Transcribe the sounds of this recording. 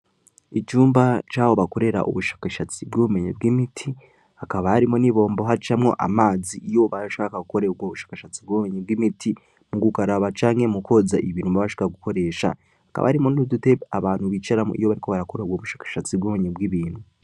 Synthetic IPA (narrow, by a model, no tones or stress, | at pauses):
it͡ʃuːmbat͡ʃaːβo̞βako̞ɾe̞ɾa̰ʔṵβuʃḁːkaʃat͡sibɡuːβume̞ɲḛbɡimitʰi | hakaβahaɾimoniβo̞ːmbo̞ɦat͡ʃamŋo̞̰ʔa̰maːziʔijo̞βaɾʃaaːkaɡuko̞ɾe̞ɡwoβuʃḁːkaʃat͡sibɡuːβume̞ɲeb̚ɡimitʰi | muɡukaɾaβat͡ʃaːŋhemuko̞zaʔiβiɾumbaβaʃi̥kaaɡuko̞ɾe̞ːʃa̰ | haka̰βʔa̰haɾimonuudute̞aβaːn̥huβit͡ʃaɾamo̰ʔḭjo̞βaɾiko̞βaɾakoɾeeɡwoβuʃḁːkḁʃat͡sibɡuume̞ɲebɡiβiːn̥hu